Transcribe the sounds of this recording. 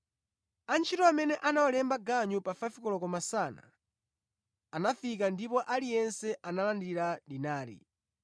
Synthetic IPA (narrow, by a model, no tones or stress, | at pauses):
ant͡ʃʰitɔamɛnɛʔanawɔlɛmbaɡaɲupafafikɔlɔkɔmasana̰ | anafikandipɔʔalijɛnsɛʔanalandiɾaɗinaːɾḭ